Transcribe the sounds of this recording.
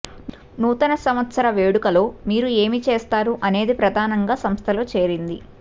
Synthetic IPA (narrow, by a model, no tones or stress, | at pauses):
nuːt̪ɐnɐsɐmɐt̪sɐɾɐʋe̞ːɽukɐlo̞ːmiːɾue̞ːmit͡ʃe̞ːst̪aːɾuʔɐne̞ːd̪ipɾɐd̪ʱaːnɐŋɡaːsɐmst̪ʰɐloːt͡ʃe̞ːɾind̪i